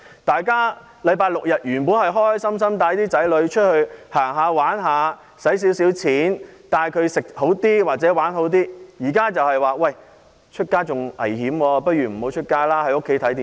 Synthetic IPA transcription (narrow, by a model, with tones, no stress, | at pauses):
t̪aː˨jkaː˥ | lɐ˨˧jpaː˧jlʊ˨k̚jɐ˨t̚jyː˨˩npuː˨˥nhɐ˨jɦɔː˥jsɐ˥ms̬ɐ˥mt̪aː˧˥jt̪iː˥t͡sɐ˨˥jlɵ˨˧ɥt͡ʃʰɵ˥t̚hɵ˧ɥhaː˨˩ŋɦaː˧waː˨˥nɦaː˨˧ | sɐ˨˥js̬i˨˥wsiː˨˥wt͡sʰiː˨˥nt̪aː˨jkʰɵ˨˧ɥsɪ˨k̚ho˨˥wt̪iː˥waː˨˩t̚t͡sɛː˨˥waː˨˥nɦo˨˥wt̪iː˥jiː˨˩kaː˥t͡sɐ˨whɐ˨jwaː˨wɐ˥˩j | t͡ʃʰɵ˥t̚kaː˥t͡sʊ˨ŋʔɐ̰˨˩jhiː˨˥mwɔː˧pɐ˥t̚jyː˨m̩˨˩ho˨˥wt͡ʃʰɵ˥t̚kaː˥laː˥ɐ˨jo˥kʰːe˨˥jt̪ʰɐ˨˥jt̪iː˨